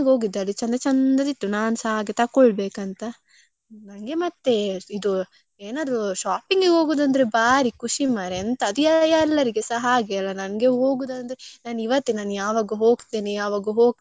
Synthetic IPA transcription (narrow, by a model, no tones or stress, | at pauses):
ɡo̞ːɡid̪ːaːlit͡ʃɐnd̪ɐt͡ʃɐnd̪ɐd̪it̪ːunaːnusɐɦaːɡet̪ɐkːɔɭbeːkɐnt̪ɐ | nɐnɡe̞mɐt̪ːe̞id̪u | eːnaːd̪ɾuʃaːpiŋɡɦo̞ːɡud̪ɐnd̪ɐɾebaːɾikʰuʂimaːɾeɐnt̪ɐɐd̪uɛjɐlːɐɾiɡesɐɦɐaːɡeɐlːɐnɐnɐɡeɦo̞ːɡuːd̪ɐnd̪ɐɾenaːniʋɐt̪ːenaːnujaːʋaːɡuɦoːɡt̪eːnijaːʋaːɡuɦoːɡ̪